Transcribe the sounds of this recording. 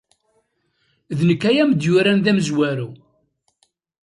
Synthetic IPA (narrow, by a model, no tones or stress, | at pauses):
ðnəkːæjæməd̪jʊɾænðæmzwæɾu